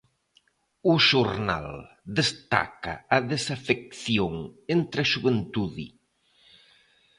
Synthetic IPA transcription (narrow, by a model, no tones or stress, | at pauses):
ʊʃuɾna̰l | d̪est̪a̰kɐ̰ɐðesafek̚θjoŋent̪ɾaʃuβent̪uðḭ